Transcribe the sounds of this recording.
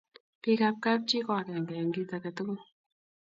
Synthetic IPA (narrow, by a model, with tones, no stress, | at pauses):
pi˦ka˧p̚ka˦p̚t͡ʃi˦kɔ˦˨kɛ˨ŋɡɛ˨ŋɡi˦ta˨˧kɛ˨to˦ko˦